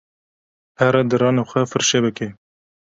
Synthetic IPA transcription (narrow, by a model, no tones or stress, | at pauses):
hɛɾɛd̪ɨɾɑːnoxʷɛfɨɾʃebɨke